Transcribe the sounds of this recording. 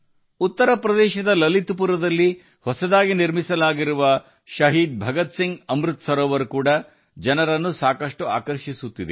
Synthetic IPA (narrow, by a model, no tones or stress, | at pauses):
ut̪ːɐɾɐpɾɐd̪ɛːʃɐd̪ɐlɐlit̪upuɾɐd̪ɐlːi | hɔsɐd̪aːɡiniɾmisɐlaːɡiɾuʋɐ | ʃɐɦiːd̪̚bʱɐɡɐt̪siŋɡɐmɾut̪sɐɾoːʋɐɾukuːɽɐ | d͡ʒɐnɐɾɐnːusaːkɐʂʈua̰ːkɐɾʃisut̪ːid̪e